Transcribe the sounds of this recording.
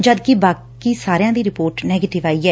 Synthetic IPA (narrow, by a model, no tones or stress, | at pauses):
d͡ʒəd̪kibaːk | iːsaːɾejãːd̪iːɾɪpoːɾʈnɛːɡeːʈɪʋaːiːɦɛː